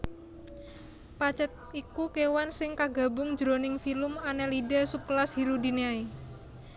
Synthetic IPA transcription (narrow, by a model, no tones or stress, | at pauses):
pat͡ʃət̪̚ikukewansɪŋkaɡa̤bʊŋ̥d͡ʒɾonɪŋfilʊmanɛlidɛsup̚klashiɾudi̤neai